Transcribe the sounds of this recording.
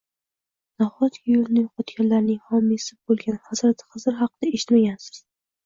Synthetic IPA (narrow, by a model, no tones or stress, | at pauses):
nahɒt̪ʲɪjolɪnɪjoqʰɒt̪ɡʲanlaɾnɪŋhɒmisɪbolˠɡʲanhazɾat̪ʰχɨzɪɾɦɑqːɨd̪aeʃɪ̥t̪maɡʲansɪ̥z̥